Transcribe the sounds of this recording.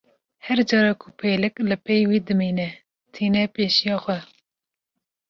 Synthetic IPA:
hɛɾd͡ʒɑːɾɑkʰupʰeːlɨklɨpɛjwiːd̪ɨmiːnɛ | t̪ʰiːnɛpeːʃijɑːxʷwɛ

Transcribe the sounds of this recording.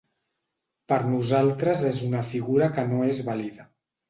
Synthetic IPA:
pəɾnuzalˠt̪ɾəzezunəfiɣuɾəkənoezβaliðə

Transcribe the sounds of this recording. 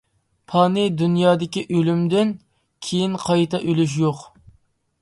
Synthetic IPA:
pʰɑnɨd̪unjɑːd̪ɪkʲiʔølymd̪ɪn | kʲʰejinqʰɑjt̪ɑʔølyʃ̬joq

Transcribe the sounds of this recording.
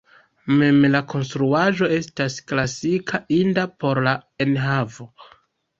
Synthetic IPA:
me̞mlakʰo̞nstɾuaʒo̞e̞stasklasikʰaʔindapo̞ɾlaenɦavo̞

